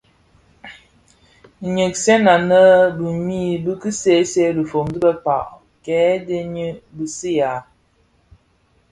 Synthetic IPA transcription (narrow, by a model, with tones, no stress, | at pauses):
ɲə˨k̚sɛ˦na˨nə˦bɨ˨mi˦bɨ˦kɨ˦se˦se˦li˨fo˨mdi˦bə˦pa̰˨ʔ | kɛː˨˦de˦ɲə˦bi˨si˦ja˨